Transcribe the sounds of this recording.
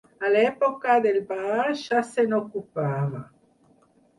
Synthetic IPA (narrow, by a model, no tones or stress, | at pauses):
alepokaðelbaɾʃasenokupaβa